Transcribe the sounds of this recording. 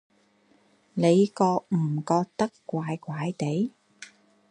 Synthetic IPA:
ne˨˧jkɔː˧k̚m̩˨˩kɔː˧k̚t̪ɐ˥kkʷːaː˧jkʷaː˨˥jt̪e˨˥j

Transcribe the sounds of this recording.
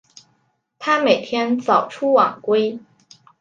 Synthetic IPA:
t̪ʰa˥me˨˩ɪt̪ʰjɛ˥nt͡sɑ˨˩ʊʈ͡ʂʰu˥wɑ˨˩ŋkwe˥ɪ

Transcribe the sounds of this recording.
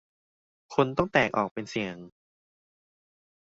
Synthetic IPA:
kʰu˧nt̪ɔ˥˩ŋt̪ɛː˨˩k̚ʔɔ̰ː˨˩k̚pe˧nsi˨˩əŋ

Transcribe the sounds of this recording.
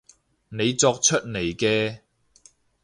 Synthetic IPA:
ne˨˧jt͡sɔː˧k̚t͡ʃʰɵ˥t̚ne˨˩jkɛː˧

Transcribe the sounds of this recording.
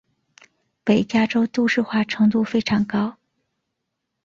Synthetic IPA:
pe˨˩ɪt͡ɕja˥ʈ͡ʂo˥ʊt̪u˥˧ʂɻ̩˥˧xwa˥˩ʈ͡ʂʰɤ˧˥ŋt̪u˥˩fe˥ɪʈ͡ʂʰɑ˧˥ŋkɑ˥ʊ

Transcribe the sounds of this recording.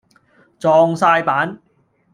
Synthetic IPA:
t͡sɔː˧ŋsaː˧jpaː˨˥n

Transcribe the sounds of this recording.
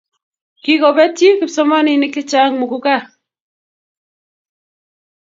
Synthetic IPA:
ki˦kɔ˨bɛ˦ti˦kɪ˨psɔ˦ma˦ni˨nɪ˦kɪ˦t͡ʃa˦ŋmʊ˨kʊ˦ka˦˨

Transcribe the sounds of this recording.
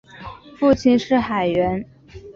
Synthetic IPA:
fu˥˧t͡ɕʰi˥˧nʂɻ̩˥˩xa˨˩ɪɥɛ˧˥n

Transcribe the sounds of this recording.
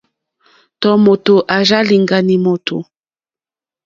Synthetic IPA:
tɔ˦mo˨to˨ʔa˨za˦li˨ŋɡa˨ni˨mo˨tʰo̰˨

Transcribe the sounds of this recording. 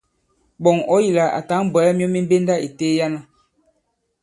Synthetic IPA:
bɔ˨ŋɔ˦ji˨la˨a̰˨ta˨˦˨bɛ˨lɛ˦mi˦ɔ˦mi˦m˦be˦nda˦e˨teː˦ja˦na˦

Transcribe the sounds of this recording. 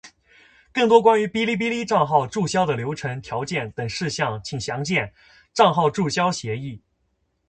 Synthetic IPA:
kɤ˥˩ŋt̪wɔ˥kwa˥ny˧˥pi˥li˥˩p̬i˥li˥ʈ͡ʂɑ˥˧ŋxɑ˥˧ʊʈ͡ʂu˥˩ɕjɑ˥ʊd̪ə˨ljo˧˥ʊʈ͡ʂʰɤ˧˥ŋt̪ʰjɑ˧˥ʊt͡ɕjɛ˥˩nt̪ɤ˨˩ŋʂɻ̩˥˧ɕjɑ˥˩ŋt͡ɕʰi˨˩ɕjɑ˧˥ŋt͡ɕjɛ˥˩n | ʈ͡ʂɑ˥˧ŋxɑ˥˧ʊʈ͡ʂu˥˩ɕjɑ˥ʊɕjɛ˧˥i˥˩

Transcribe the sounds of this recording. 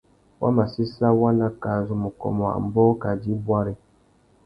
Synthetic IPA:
wʔa̰˦ma˨si˦sa˦wa˦na˦ka˨zu˨mu˨kɔ̰˨mɔ˨a̰˨m̩˨bɔ˦ka˨di˦bwa˦ɾi˨

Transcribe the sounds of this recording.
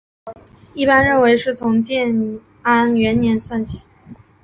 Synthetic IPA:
i˥˩pa˥nɻə˥˩nwe˧˥ɪʂɻ̩˥˩t͡sʰʊ˧˥ŋt͡ɕjɛ˥˩n | a˥nɥɛ˧˥nnjɛ˧˥nswa˥˩nt͡ɕʰi̥˨˩˦

